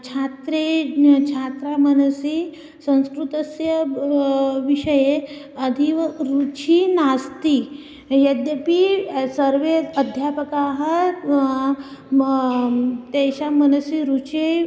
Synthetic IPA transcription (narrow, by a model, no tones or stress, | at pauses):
t͡ɕʰat̪ɾet͡ɕʰat̪ɾamənəsi | sə̃w̃skɾut̪əsjə | ʋiʂəje | əd̪ʱiʋɾut͡ɕʰinast̪i | jəd̪jəpisəɾʋeəd̪ʱjapəkaɦə | t̪ɛɕamənəsiɾut͡ɕʰe